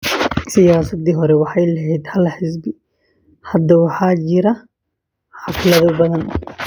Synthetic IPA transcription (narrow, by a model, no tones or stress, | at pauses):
sɪjaːsɐd̪iːɦɔɾɛwɑħɑjlɐɦɛjd̪hɐlħɪsbɪ | hɐd̪ːɐwɑħɑːd͡ʒɪɾɐ | ħɑflɐðɐbɐðɐn